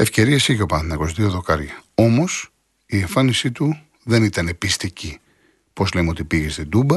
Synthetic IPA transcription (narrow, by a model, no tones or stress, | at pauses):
e̞fce̞ɾiesicopɐnθnɐko̞siðioðo̞kɐɾʝɐo̞mo̞s | ieɱfɐnisit̪u | ðe̞nit̪ɐnepist̪ici | po̞zlemeo̞t̪ipiʝest̪ind̪ubɐ